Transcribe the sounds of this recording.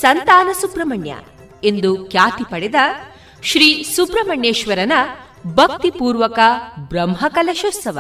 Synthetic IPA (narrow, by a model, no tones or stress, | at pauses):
sɐnt̪aːnɐsubɾɐmɐɳjɐ̰ | e̞nd̪ukjaːt̪ipɐɽɛd̪ɐ | ʃɾiːsupɾɐmɐɳjeːʃʋɐɾɐnɐ | bʱɐk̚t̪ipuːɾʋɐkɐbɾɐmɦɐkɐlɐʃɐsɐʋɐ̰